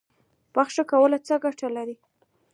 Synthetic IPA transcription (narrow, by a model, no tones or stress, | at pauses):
b̥axʃakawəlat͡səɡaʈalaɾi